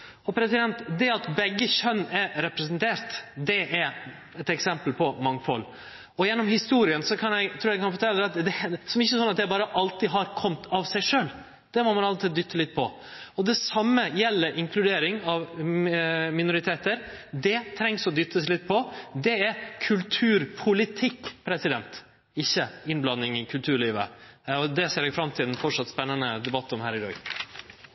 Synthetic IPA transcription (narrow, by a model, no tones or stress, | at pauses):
ɔpʰɾɛsɪd̪ɛnt̪d̪ɛɑt̪bɛɡːəçœnːɛɾɾɛpɾɛsənt̪ʰeːɾt̪d̪ɛʔæɾ | ɛt̪ɛksɛmpəlpʰɔmɑŋfɔ̰l | ɔjɛnːɔmhɪst̪uːɾɪənsɔkʰɑnjɛt̪ʰɾuːɾjɛɪkʰɑnfɔʈʰɛlːəd̪ɛɑt̪d̪ɛsɔmɪçːəsɔnɑt̪d̪æɾbɑːɾəʔɑlt̪ɪɦɑɾkʰɔmt̪ʰɑʋsæɪʂøːl | d̪̥ɛmɔmɑnɑlt̪iːd̪d̪ʏt̪ʰːəlɪt̪̚ːpʰɔ̰ | ɔd̪ɛsɑmːəjɛlːəɾʔɪŋkʰlʉd̪eːɾɪŋɑʋ | mɪnʊɾɪt̪ʰeːt̪əɾ | d̪ɛt̪ʰɾɛŋsɔd̪ʏt̪ʰːəslɪt̪̚ːpʰɔd̪ɛæɾkʰʉlt̪ʰʉːɾpʰʊlɪt̪ʰɪkːpʰɾɛsɪd̪ɛnt̪ | ɪçːəɪnblɑnːɪŋɪkʰʉlt̪ʰʉːɾɭiːʋə̰ɔd̪ɛseːɾɛɡfɾɑmt̪ʰɪlɛnfɔʈʂɑt̪spɛnːənəd̪ɛbɑt̪ːɔmhæ̰ːɾɪɾɔ̰ʏ